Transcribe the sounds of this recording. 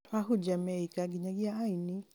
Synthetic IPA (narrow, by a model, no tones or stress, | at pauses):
twaɦud͡ʒamɛikaɡiɲaɡiaaini